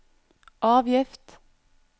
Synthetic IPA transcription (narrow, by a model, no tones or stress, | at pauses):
ʔɑːʋjɪft̪